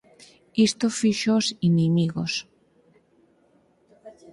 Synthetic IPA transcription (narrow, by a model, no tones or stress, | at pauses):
ist̪ofiʃosinimiɣos